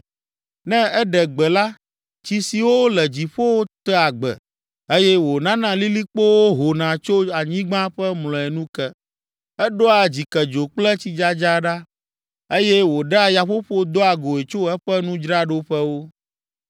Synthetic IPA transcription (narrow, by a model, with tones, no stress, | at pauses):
nɛ̃˦ɛ˦ɖɛ˨ɡ͡bɛ˨la˦ | t͡ɕi˨si˨wo˦lɛ˨d͡ʑi˨ɸo˦wo˦t̪ɛ˦a˨ɡ͡bɛ̰˨ | e˦jɛ˦wo˨nã˦nã˦li˦li˦k͡po˦wo˦ɦo˨nã˨t͡ʃo˦a˨ɲĩ˦ɡ͡bã˦ɸɛ˦mlɔ̃˨ɛ˨nũ˦kɛ˦ | ɛ˦ɖo˦a˨d͡ʑi˨kɛ˨d͡ʒo˨k͡plɛ˦t͡ɕi˦d͡ʒa˦d͡ʒa˦ɖa˦ | e˦jɛ˦wo˨ɖa˦ja˨ɸo˦ɸo˦d̪o˦a˨ɡo˨e˨t͡ʃo˦ɛ˦ɸɛ˦nũ˦d͡ʒɾa˦ɖo˦ɸɛ˦wo˦